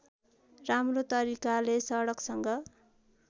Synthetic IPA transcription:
ramrot̪ʌɾikalesʌɽʌksʌŋɡʌ

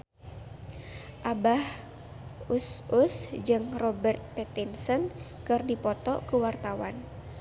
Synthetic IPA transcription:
ʔabah | ususd͡ʒɨŋrɔbɛrt̪̚pɛt̪insənkɨrdipɔt̪ɔkəwart̪awan

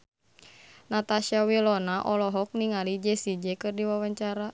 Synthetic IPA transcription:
nat̪aʃiawilɔnaʔɔlɔɦɔk̚niŋalid͡ʒɛsid͡ʒɛkɨrdiwawaɲt͡ʃaɾa

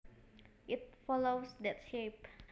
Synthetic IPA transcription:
ʔit̚fɔlosdɛtʃep

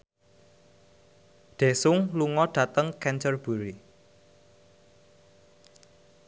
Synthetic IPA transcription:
d̪̥e̤sʊŋluŋɔɖ̥ä̤t̪əŋkɛnt͡ʃərb̥ṳɾi

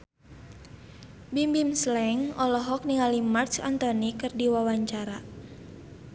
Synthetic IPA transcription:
bimbimslɛŋɔlɔɦɔk̚niŋalimart͡ʃa̰nt̪ɔnikɨrdiwawaɲt͡ʃaɾa

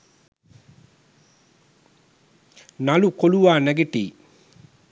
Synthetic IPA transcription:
nɐlukoluʋaːnæɡeʈḭː

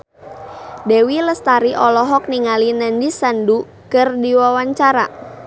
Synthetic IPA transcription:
dewiləst̪aɾiʔɔlɔɦɔk̚niŋalinandisandu | kɨrdiwawaɲt͡ʃaɾa

